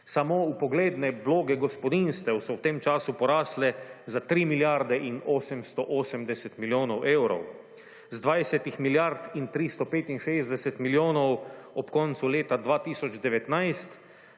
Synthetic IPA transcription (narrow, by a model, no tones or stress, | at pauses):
samoːupɔɡleːd̪nɛʋloːɡɛɡɔspɔd̪inst̪ɛwsɔwt̪emt͡ʃaːsupɔɾaːslɛzat̪ɾiːmiljaɾd̪ɛʔinoːsɛmst̪ɔʔoːsɛmd̪ɛsɛt̪miljoːnɔwʔeːwɾɔ̰w | zd̪ʋajsɛt̪ixmiljaɾt̪int̪ɾist̪ɔpeːt̪inʃeːzd̪ɛsɛt̪miljoːnɔwɔpkɔnt̪suleːt̪ad̪ʋaːt̪iːsɔd͡ʒd̪ɛʋɛt̪najst̪